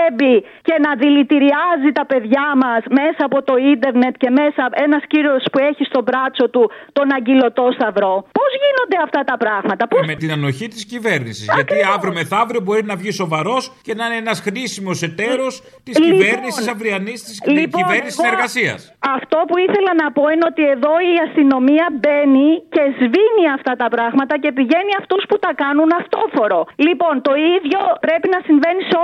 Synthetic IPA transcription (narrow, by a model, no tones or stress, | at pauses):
bi | ce̞nɐðilit̪iɾiɐzit̪ɐpe̞ðʝɐmɐsme̞sɐːpo̞t̪o̞ind̪e̞ɾne̞t̪ce̞me̞sɐe̞nɐsciɾo̞spue̞çist̪o̞bɾɐt͡so̞t̪ut̪o̞nɐɲɟilo̞t̪o̞st̪ɐvɾo̞po̞zʝino̞nd̪e̞ɐft̪ɐt̪ɐpɾɐɣmɐt̪ɐposmet̪inɐno̞çit̪iscive̞ɾnisizʝɐtiɐvɾomeθɐvɾiobo̞ɾinɐvʝiso̞vɐɾo̞sce̞nɐneenɐsxɾisimo̞se̞t̪eɾo̞s | t̪isliveɾnisisɐvɾiɐnist̪isliiveɾnissseɾɣɐsiɐ̰sɐft̪o̞puiθe̞lɐnɐpo̞ineo̞t̪ie̞ðo̞iɐst̪ino̞miɐbe̞nice̞zviniɐft̪ɐt̪ɐpɾɐɣmɐt̪ɐce̞piʝe̞niɐft̪usput̪ɐkɐnunɐft̪o̞fo̞ɾolipo̞nt̪o̞iðʝo̞pɾe̞pinɐsiɱve̞niso